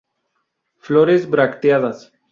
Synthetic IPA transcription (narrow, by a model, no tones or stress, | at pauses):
floɾezβɾakt̪jaðas